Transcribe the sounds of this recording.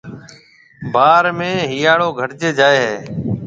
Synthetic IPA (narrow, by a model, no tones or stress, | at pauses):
baːɾmẽːɦijaːɽoːɡʱəʈt͡ʃeːd͡ʒaːeːɦeː